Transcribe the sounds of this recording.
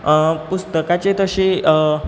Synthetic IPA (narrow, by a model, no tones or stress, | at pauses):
pust̪əkat͡set̪əɕe